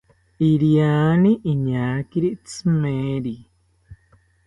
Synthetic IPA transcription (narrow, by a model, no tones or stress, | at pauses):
iɾianĩʔiɲãːkiɾit͡sɨmeɾi